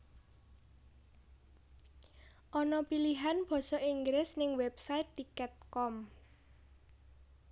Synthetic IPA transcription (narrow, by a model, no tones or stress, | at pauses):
ʔɔnɔpiliɦanb̥ɔ̤sɔʔiŋɡɾɪsnɪŋwɛpsaɪt̪ːikɛt̪̚kɔm